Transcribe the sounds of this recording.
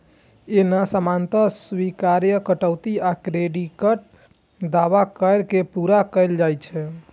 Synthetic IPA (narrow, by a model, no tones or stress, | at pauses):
enasəmant̪əswikaɾjəkəʈəʊt̪iakɾeɖikəʈ̚ | d̪aʋakəjɾkepuɾakəɪld͡ʒajt͡ʃʰɛ